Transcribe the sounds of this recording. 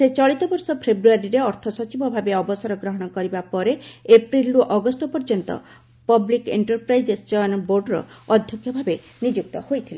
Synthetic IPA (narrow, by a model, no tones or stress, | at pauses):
set͡ʃɔɭit̪ɔbɔɾsɔpʰebɾuaɾiɾeɔɾt̪ʰɔsɔt͡ʃibɔbʱabeɔbɔsaɾɔɡɾɔɦɔɽ̃ɔkɔɾibapɔɾeepɾiluʔɔɡɔsʈɔpɔɾd͡ʒɔnt̪ɔ̰ | pɔblikḛɳʈɔɾpɾajd͡ʒest͡ʃɔnboɾɖɾɔ̰ɔd̪ʱjɔkʰjɔbʱabe | nid͡ʒuk̚t̪ɔhojt̪ʰile